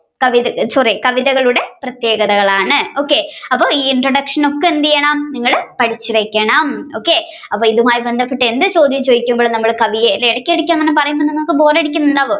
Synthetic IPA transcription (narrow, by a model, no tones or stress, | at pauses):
kɐʋiðɐsɐrikɐʋiðɐɣɐɭuɽe̞prɐt̪je̞ːɣɐðɐɣɐɭaːɳɨo̞ːkːe̞ɐpːoːiːiɳɖrɐɽɐkʂɐno̞kːeend̪ijɐɳɐmniŋːɐɭpɐʈʰit͡ɕːiʋekʲːeːɳɐmo̞ːkːeː | ɐpːoːiðumaːjibend̪ʱɐpːeʈːɨe̞nd̪ɨt͡ɕo̞ːd̪jɐmt͡ɕoːjikʲːumboːɭnɐmːɐɭkɐʋijeliɽɐkʲːeɽikʲːaːnːɐnːɐpɐrɐjumbɐniŋːokːɨbo̞ːreɽikʲːunːulːaːʋo